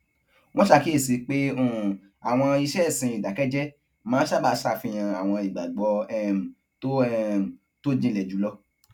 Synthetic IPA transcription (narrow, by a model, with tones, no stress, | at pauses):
w̃ɔ̃˦ʃa˧ki˦i˦˨si˨˧˦k͡pe˦ũ˦˨ | a˨w̃ɔ̃˧i˧ʃɛ˦˨sĩ˧i˨da˨kɛ˦d͡ʒɛ˦ | mãː˨˦ʃa˦˨ba˧˦sa˧fĩ˧j̃ã˧a˨w̃ɔ̃˧i˨ɡ͡ba˨ɡ͡bɔ˧ɛ˦˧m˨ | to˦ɛ˧m̩˨ | to˦d͡ʒĩ˧˨lɛ˨d͡ʒu˨˦lɔ˧˦